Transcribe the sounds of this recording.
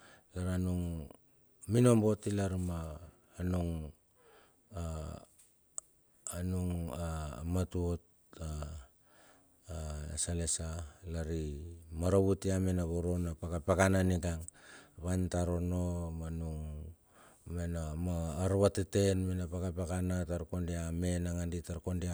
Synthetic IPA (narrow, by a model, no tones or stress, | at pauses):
laɾanuŋ | mino̞mbo̞tilaɾmaː | nuŋ | a | nuŋamatuot̚ | a | salesalaɾimaɾaβutiamenaβoɾonapakapakananiɡaŋβantaɾonomanuŋ | menamaːɾβatetenmenapakapakanataɾkondiame̞naŋanditaɾkondia